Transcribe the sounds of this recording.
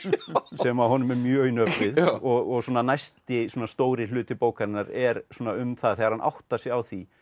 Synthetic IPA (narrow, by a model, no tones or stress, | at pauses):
sɛmaɦɔnʏmɛɾmjœːɣinœpɪðɔɣɔɣsuːnanajst̪ɪsuːnast̪oːwɾɪlʏːt̪ɪpoːwkaɾɪnaɾɛɾsuːnaʏmθaðθɛːɣaɾ̥hanʔa̰wht̪asɪɣawθi